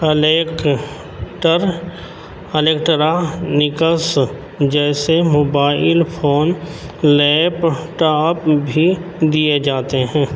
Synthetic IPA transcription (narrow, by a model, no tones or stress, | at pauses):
lek | ʈəɾ | əleːkʈəɾanɪkəs | d͡ʒɛːsemoːbaːɪlpʰoːnlɛːpʈaːpbʱid̪ijed͡ʒaːt̪eɦɛ̃ː